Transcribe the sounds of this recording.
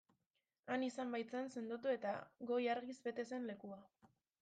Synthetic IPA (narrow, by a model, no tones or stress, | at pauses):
anisambajt͡sense̞nd̪ut̪ue̞t̪aɣo̞jaɾɣizbe̞t̪e̞se̞nle̞kua